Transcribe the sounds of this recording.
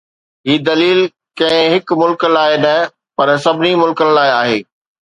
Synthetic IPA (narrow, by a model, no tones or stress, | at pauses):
ɦiːd̪ɐliːl | kɐ̃ɪ̃ɦɪkmʊlkəlaːɪnɐ | pɐɾsɐbʱɪnimʊlkənlaːɪaːɦeː